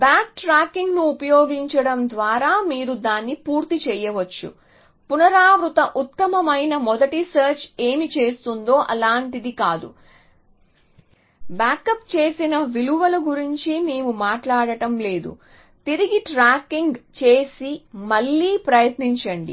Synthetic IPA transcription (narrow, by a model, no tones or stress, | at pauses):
bjaːk̚ʈɾaːkiŋɡnuːpɐjoːɡiɲt͡ʃɐɽɐmd̪ʋaːɾaːmiːɾud̪aːnːipuːɾt̪it͡ʃɛjːɐʋɐt͡ʃːṵ | punɐɾaːʋɾut̪ɐʔut̪ːɐmɐmɐjnɐmɔd̪ɐʈisɐːɾt͡ʃe̞ːmit͡ʃe̞ːst̪und̪o̞ːʔɐlaːɳʈid̪ikaːd̪ṵ | baːkɐp̚t͡ʃe̞ːsinɐʋiluʋɐluɡuɾiɲt͡ʃime̞ːmumaːʈlaːɽɐʈɐmle̞ːd̪ṵ | t̪iɾiɡiʈɾaːkiŋɡt͡ʃe̞ːsimɐɭːiːpɾɐjɐt̪niɲt͡ʃɐɳɖḭ